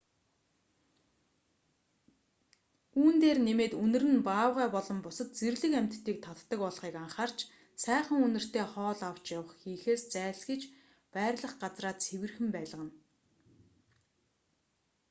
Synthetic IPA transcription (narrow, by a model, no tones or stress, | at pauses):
uːnt̪eːrnemeːt̪ɵnɘ̆rɘ̆npaːwʁæːpɔɮɞ̆mpʊsə̆t̪̚t͡serɮɘ̆kæm̥ʲt̪ːiːk̚t̪ʰɔt̪ːə̆kpɔɮχiːkaɴχaːr̥t͡ɕ | sæːχə̆ŋɵnɵ̆r̥t̪eːχɔːɮaw̥t͡ɕjawə̆χxiːxeːst͡sæːɬxĭt͡ɕ | pæːrʲɮə̆χɢat͡sraːt̪sʰewɘ̆rxɘ̆mpæːɮə̆ʁə̆n